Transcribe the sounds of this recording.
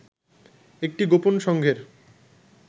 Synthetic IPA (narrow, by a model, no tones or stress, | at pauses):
ek̚ʈiɡoponʃɔŋɡʱeɾ